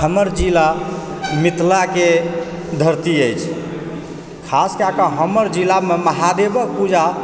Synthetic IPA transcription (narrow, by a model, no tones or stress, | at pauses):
ɦəməɾd͡ʒilamit̪lake | d̪ʱəɾt̪iəjt͡ʃʰ | kʰaskakəɦəməɾd͡ʒilameməɦad̪ebək̚pud͡ʒʱa